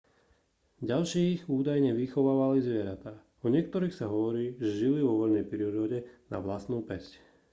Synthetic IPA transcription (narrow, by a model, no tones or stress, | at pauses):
ɟalʃiɣuːd̪ajɲɛʋixɔʋaːʋalizʋɪɛɾat̪aː | ɔɲɪɛk̚t̪ɔɾiːxsaɦɔʋɔɾiːʒɛʒiliʋɔʋɔʎnɛjpɾiɾɔɟɛna̰ʋlast̪nuːpɛsc